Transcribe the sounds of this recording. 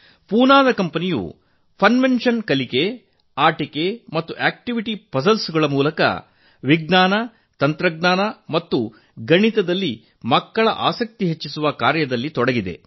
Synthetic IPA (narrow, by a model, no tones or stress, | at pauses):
puːnaːd̪ɐkɐmpɐnijṵ | pʰɐnʋenʂɐnkɐlike | aːʈikemɐt̪ːuʔaːk̚ʈiʋiʈipɐsɐlsuɡɐɭɐmuːlɐkɐ̰ | ʋiɡnaːnɐ | t̪ɐnt̪ɾɐɡnaːnɐmɐt̪ːu | ɡɐɳit̪ɐd̪ɐlːi | mɐkːɐɭɐ̰ʔaːsɐk̚t̪iɦet͡ʃːisuʋɐkaːɾjɐd̪ɐlːit̪ɔɽɐɡid̪e̞̰